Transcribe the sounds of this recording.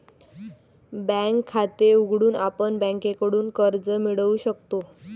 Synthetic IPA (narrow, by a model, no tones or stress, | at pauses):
bɛ̃ŋkʰːat̪euɡʱɽuːnapəɳbɛ̃ŋkekəɽuːnkəɾd͡zəmiɽəʋuɕəkt̪o